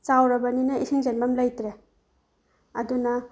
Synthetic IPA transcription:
t͡ʃawɾɐbɐninɐʔisiŋzenbamlajtɾe | ɐdunɐ

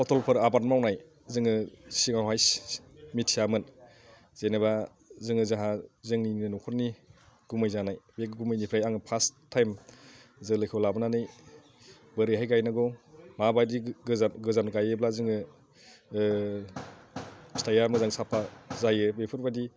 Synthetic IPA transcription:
pɔtʰɔlpʰɯɾabatmawnaj | zɯŋɯsiŋawɦajsmitʰijamɯn | z̥eneba | zɯŋɯzaɦazɯŋniniɯnɔkʰɔɾni | ɡ̥umɯjzanajbekɡumɯjnipʰɾajaŋɯpʰastʰːajmzɯlɯjkʰɯwlabɯnanɯj | bɯɾɯɦajɡajnɯɡɔmabajdiɯzanɡɯzanɡajɯblazɯŋɯ | stʰajamɯzaŋsapʰazajɯbepʰɯɾbadi

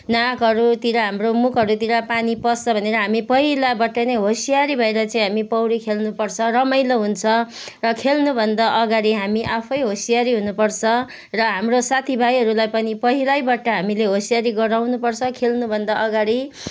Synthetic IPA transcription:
nakɦʌɾut̪iɾaɦamromukʰɦʌɾut̪iɾapanipʌst͡sʰʌbʱʌneɾʌɦamipʌɦilabʌʈːʌnʌɦosijaɾibʱʌeɾʌt͡saĩɦamipʌwɽikʰelnupʌrt͡sʰʌrʌmʌjloɦunt͡sʰʌ | rʌkʰelnubʱʌnd̪ʌʔʌɡaɽiɦamiʔapʰʌjɦosijaɾiɦunupʌrt͡sʰʌ | rʌɦamrosat̪ʰibʱajɦʌɾulajpʌnipʌɦilajbaʈʌɦamileɦosijaɾiɡʌɾawnupʌrt͡sʰʌkʰelnubʱʌnd̪ʌʔʌɡaɽi

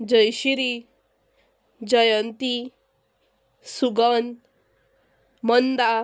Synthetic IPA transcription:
d͡ʒəjɕiɾi | d͡ʑʌjənt̪i | suɡɔn | mɔnd̪a

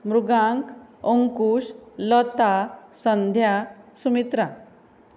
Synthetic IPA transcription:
mɾuɡaŋkoŋkuɕlɔt̪asənd̪ʱjasumit̪ɾa

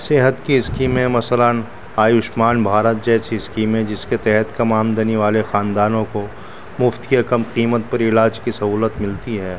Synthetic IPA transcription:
seːɦət̪kiɪskiːmẽmɐsələn | aːjʊʃmaːnbʱaːɾət̪̚d͡ʒɛːsiɪskiːmẽd͡ʒɪsket̪ɛɦɛt̪kɐmaːmd̪eneʋaːlexaːnd̪aːnõko | mʊft̪iɐkəmqiːmət̪̚pɐɾɪlaːd͡ʒkisɐɦuːlət̪mɪlt̪iɦɛː

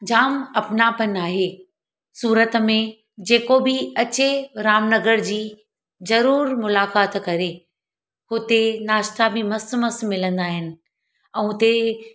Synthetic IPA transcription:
d͡ʑaːmɐpnapɐnaːɦe | suːɾət̪mẽ | d͡ʑeːkobɪɐt͡ɕeɾaːmnɐɡəɾd͡ʑiː | zɐɾuːɾmʊlaːkaːt̪kɐɾe | ɦʊt̪enaːʃt̪abɪmɐsmɐsmɪlə̃nd̪aːɦɪnɪ̆ | ɛ̃ːʊt̪e

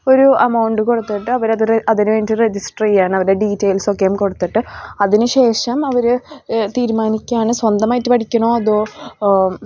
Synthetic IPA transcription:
o̞ɾuɐmɐwɳɖɨko̞ɽut̪ːiʈːɨɐʋɐɾɐðɨʔɐðinɨʋeːndɨred͡ʑisʈriːjaːɳɨɐʋɐɾeɖiːtːejlsokːejumko̞ɽut̪ːiʈːɨɐðinɨɕe̞ːʂɐmɐʋɐɾɨt̪iːɾumaːnikʲːaːɳɨswɐnd̪ɐmaːjitːɨpɐʈʰikʲːɐɳoːɐðoː

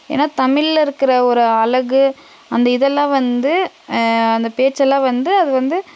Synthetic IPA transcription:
ḛːnːaːt̪ɐmɪɭɪɾɯkːɪɾɐɔɾɯɐlɐɣɯ | ɐnd̪ɐɪðɛlːãːʋɐnd̪ɯ | ɐnd̪ɐpeːʈt͡ʃːɛlːãːʋɐnd̪ɯɐðɯʋɐnd̪ɯ

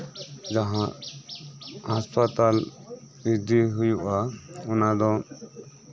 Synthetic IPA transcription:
d͡ʒaɦã | ɦaspat̪al | id̪iɦujuʔaɔnad̪ɔ

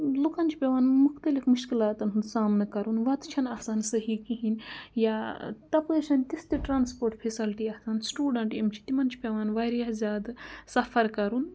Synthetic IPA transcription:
lokant͡ʃʰi̥pʲeʋaːnmukʰt̪ɐlifmuʃkilaːt̪ɐnɦunsaːmnɨkɐɾunʋɐt̪t͡ʃʰɐnɐsaːnsɐɦikiɦinjaːt̪ɐpəʃɐnt̪ist̪iʈɾaːnspoːɾʈpʰesɐlʈiɐsaːnsʈuːɖɐɳʈimt͡ʃʰi̥t̪imɐnt͡ʃʰi̥pʲeʋaːnʋɐɾjazʲjaːd̪sɐfʰɐɾkɐɾun

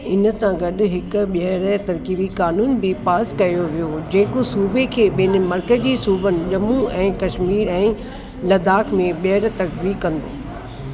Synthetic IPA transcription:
ɪnə̆sãɡɐɗ̆ɦɪkʊ̆ɓiɦəɾt̪ɐɾkibikaːnuːnbɪpaːskɐjoʋijod͡ʑeːkosuːbʱekʰeːɓɪn̆mɐɾkəzd͡ʑiːsuːbənɪ̆ʄɐmuɛ̃ːkɐʃmiːɾɛ̃ː | lɐd̪aːkʰmẽɓiəɾt̪ɐɾkbikɐ̃nd̪o̰ː

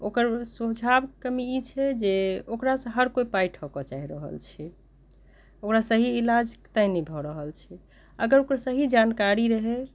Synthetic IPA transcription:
okəɾsud͡ʒʱabkəmiit͡ʃʰɛd͡ʒeokɾasə̃ɦəɾkoipajʈʰɦɔkɔt͡ʃaɦiɾəɦə̰lt͡ʃʰɛ | okɾasəɦiilad͡ʒkt̪ainɛbʱɔɾəɦəlt͡ʃʰɛ | ə̰ɡəɾokɾasəɦid͡ʒankaɾiɾəɦe

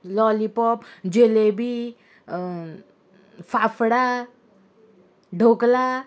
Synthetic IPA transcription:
lɔlipɔpd͡ʒelebi | fafɽa | ɖʱokla

